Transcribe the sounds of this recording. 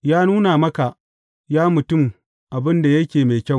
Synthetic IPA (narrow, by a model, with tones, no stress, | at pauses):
jaː˦nuː˦na˨mɐ˦ka˨ | jaː˦mʊ˨tʊ˦m | ʔa˨bɪ˦nda˨jɐ˦kʲeː˨meː˨kʲɐ˦˨